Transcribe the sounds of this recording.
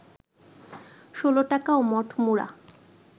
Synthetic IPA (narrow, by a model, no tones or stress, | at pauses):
ʃoloʈakaomɔʈʰmuɽa̰